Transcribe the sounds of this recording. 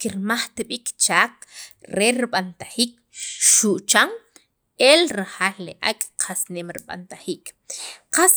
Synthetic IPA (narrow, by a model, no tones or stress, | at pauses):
kiɾmaχt̪iɓikt͡ʃaːk̚ɾeɾiɓant̪aχiːk̚ | ʃuʔt͡ʃaŋ | elɾahaːlːeʔa̰kʼqʰasneːmɾiɓa̰nt̪aχiːkʼ | qas